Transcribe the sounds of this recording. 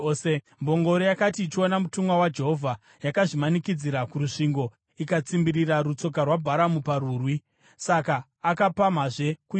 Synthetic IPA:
se | mbo̞ŋɡo̞ɾojakatiːt͡ʃio̞namutumɡwawad͡ʒe̞ɦovʱa | jakaʐimanikid͡ziɾakuɾuʂiŋɡo̞ | ikat͡simbiɾiraɾut͡so̞k̬arwabʱaɾamuparuːrwi | sakaː | kapamaʐe̞ku

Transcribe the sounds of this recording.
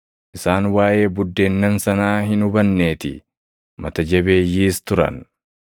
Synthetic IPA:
ʔɪsaːnwaːʔe̞ːbʊd̪ːeːnːɐnsɐnaːɦɪnʊbɐnːe̞ːt̪ɪ̰ | mɐt̪ɐd͡ʒɐbe̞ːjːiːst̪ʊɾɐ̰n

